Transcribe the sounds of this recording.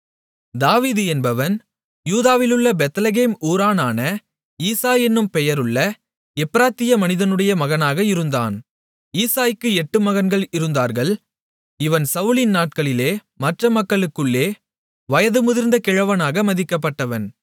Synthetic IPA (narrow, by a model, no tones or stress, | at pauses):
d̪aːʋiːðɯɛnbɐʋɐn | juːðaːʋɪlɯɭːɐbɛt̪ɐlɐɣeːmuːɾaːnaːnɐ | iːsaːjɛnːɯmpɛjɐɾɯɭːɐ | ɛpːɪɾaːt̪ːɪjɐmɐnɪðɐnɯɽɐjɐmɐɣɐnaːɣɐɪɾɯnd̪a̰ːn | iːsaːjɯkːɯɛʈːɯmɐɣɐnɡɐɭɪɾɯnd̪aːɾɣɐɭ | ɪʋɐnsɐʊlɪnnaːʈ̚kɐɭɪleː | mɐʈrɐmɐkːɐɭɯkːɯɭːeː | ʋɐjɐðɯmʊðɪɾnd̪ɐkɪɻɐʋɐnaːɣɐmɐðɪkːɐp̬ːɐʈːɐʋɐn